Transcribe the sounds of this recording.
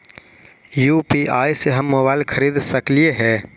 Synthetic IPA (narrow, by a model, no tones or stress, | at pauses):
juːpiʔaːiseɦɐmːoːbaːɪlkʰəɾiːd̪sɐklieɦɛː